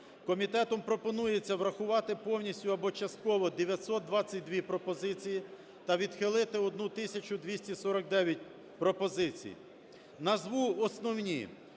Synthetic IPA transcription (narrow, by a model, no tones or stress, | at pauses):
kɔmʲit̪ɛt̪ɔmpɾɔpɔnujet͡sʲːɐʋɾɐxʊʋɑt̪ɪpɔwnʲisʲtʲʊɐbɔt͡ʃɐst̪̚kɔʋɔd̪eʋʲjɐt̪ʲsɔt̪̚d̪ʋɑt͡sʲːɐt̚ʲd̪ʋʲipɾɔpɔzɪt͡sʲiji | t̪ɐʋʲid̪xɪlˠɪt̪ɪɔd̪nut̪ɪsʲɐt͡ʃʊd̪ʋʲisʲtʲisɔɾɐk̚d̪ɛʋʲjɐt̚ʲ | pɾɔpɔzɪt͡sʲḭj | nɐzʋuɔsnɔwnʲḭ